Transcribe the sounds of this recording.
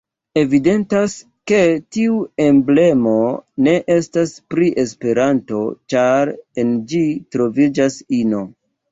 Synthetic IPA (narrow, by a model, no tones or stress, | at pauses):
e̞vide̞ntas | ke̞tiue̞mble̞mo̞ne̞ʔe̞staspɾiʔe̞spe̞ɾanto̞t͡ʃaɾend͡ʒitɾo̞vid͡ʒasino̞